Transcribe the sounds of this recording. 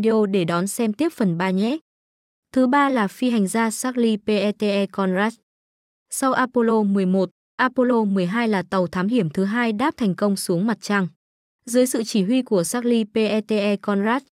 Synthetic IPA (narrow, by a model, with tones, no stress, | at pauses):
ɗe˧o˧ɗe˧˩ɗɔ˨˦nsɛ˧mt̪i˦˥əp̚fə˨˩nɓaː˧ɲɛ˦˥ | t̪ʰɨ˨˦ɓaː˧laː˨˩fi˧ɦa˨˩ŋ̟zaː˧saː˦˥k̚li˧pe˧ʔɛ˧t̪e˧ʔɛ˧kɔ˧nzaː˦˥t̚ | sa˧wʔaː˧po˧lo˧mɨ˨˩əjmo˨˩t̚ | ʔaː˧po˧lo˧mɨ˨˩əjɦaː˧jlaː˨˩t̪ə˨˩wt̪ʰaː˨˦mhi˧˩əmt̪ʰɨ˨˦ɦaː˧jɗaː˦˥p̚t̪ʰɛ˨˩ŋ̟kə˧wŋ͡msu˨˦əŋma˨˩t̚t͡ɕaː˧ŋ | zɨː˨˦jsɨ̰˧˨t͡ɕi˧˩ɦwi˧ku˧˩əsaː˦˥k̚li˧pe˧ʔɛ˧t̪e˧ʔɛ˧kɔ˧nzaː˦˥t̚